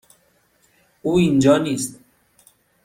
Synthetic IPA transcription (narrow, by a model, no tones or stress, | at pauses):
uːind͡ʒɑːniːst̪